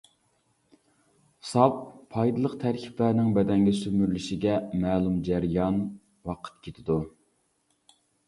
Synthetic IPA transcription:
sɑpʰːɑjd̪ɨlˠəqt̪ʰæɾkʲʰi̥plæɾnɪŋbɛd̪ɛŋɡʲɛsymyɾlyʃiɡʲɛmæːlˠumd͡ʒæɾɪjɑn | wɑqʰə̥t̪̚kʲʰet̪ʰɪd̪u

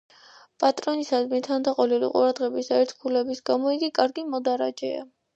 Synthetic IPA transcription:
pʼat̪ʼɾɔnisad̪mɛt̪ʰand̪aqʼɔlilḭqʼṵɾad̪ʁɛbisaɛɾt̪ʰkʰulɛbisɡamɔiɡikʼaɾɡimɔd̪aɾa̰d͡ʒɛ̰a̰

